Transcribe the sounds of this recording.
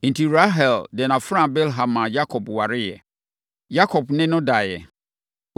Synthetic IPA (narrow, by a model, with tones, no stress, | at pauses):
ĩ˨nti˨ɾa˦ɦɛ˨ldɛ˨na˨fɾã˦˨bɛ˦lɦã˨mã˨ja˦kʰɔ˨bwa˨ɾɪ˦jɛ̰˨ | ja˦kʰɔ˨bnɪ̃˦nʊ̃˦da˨jɛ̰˨